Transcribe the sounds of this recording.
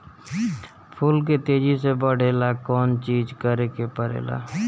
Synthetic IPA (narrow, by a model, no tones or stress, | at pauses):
pʰʊlk̬et̪eːd͡ʒisebəɽ̤eːlakɔːnt͡ʃiːd͡ʒkəɾekepəɾḛːla̰ː